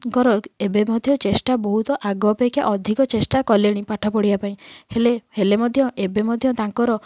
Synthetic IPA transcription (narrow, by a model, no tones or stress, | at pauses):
kɔɾɔebemɔd̪ʱjɔt͡ʃesʈabɔɦut̪ɔʔaɡɔpekʰja̰ʔɔd̪ʱikɔt͡ʃesʈakɔleɽ̃ipaʈʰɔpɔɽibapaĩhelehelemɔd̪ʱjɔʔebemɔd̪ʱjɔt̪aŋkɔɾɔ